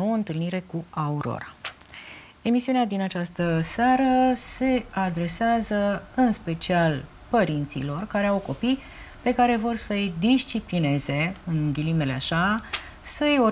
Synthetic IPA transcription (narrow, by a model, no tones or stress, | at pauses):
owəɨnt̪ɨlniɾe̞kuauɾo̞̰ɾa̰ | e̞misiunead̪inat͡ʃast̪əseaɾəse̞ad̪ɾe̞seazəɨnspe̞t͡ʃial | pəɾint̪sḭlo̞rkaɾe̞awko̞pij | pe̞kaɾe̞vo̞rsəjd̪iʃt͡ʃipline̞ze̞ɨŋɡʲilime̞le̞aʃa | səjo